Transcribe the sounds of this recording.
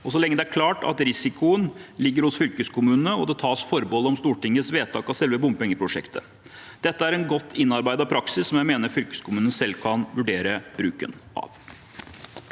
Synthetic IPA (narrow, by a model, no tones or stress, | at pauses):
ɔsɔlɛŋːəd̪ɛæɾkʰlɑːʈɑ̰t̪ɾɪsɪkʊənlɪɡːəɾhʊsfʏlkəskʰʊmʉːnənəɔd̪ɛt̪ʰɑːsfɔɾbɔləɔmst̪uːʈɪŋːəsʋeːt̪ʰɑːkɑsɛlʋəbʊmpɛŋːəpʰɾʊʂɛ̰kt̪ʰə̰ | d̪̥ɛt̪ːəæɾɛnɡɔt̪ʰːɪnːɑɾbæɪd̪ɑpʰɾɑksɪsːɔmjæɪmeːnəɾfʏlkə̥skʰʊmʉːnnəsɛlːkʰɑnʋʉɖeːɾəb̥ɾʉːkə̰nʔɑ̰ʋ